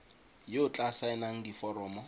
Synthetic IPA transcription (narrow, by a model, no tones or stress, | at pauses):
jɪʊt͡ɬʼasaɛnaŋ̩difɔɾɔːmɔ